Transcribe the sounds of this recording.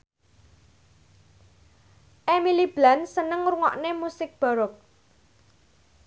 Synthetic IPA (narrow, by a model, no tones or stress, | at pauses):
ʔemilib̥lansənəŋɾuŋɔ̰ʔnemusɪk̚b̥a̤ɾɔk̚